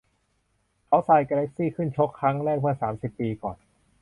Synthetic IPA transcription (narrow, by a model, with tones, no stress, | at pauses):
kʰa˦˥wsa˨˩jkaː˧le˦˥k̚siː˥˩kʰɯ˥˩nt͡ɕʰo˦˥kʰːɾa˦˥ŋɾɛː˥˩k̚mɯ˥˩ksaː˩˦msi˨˩pːiː˧kɔ̰ː˨˩n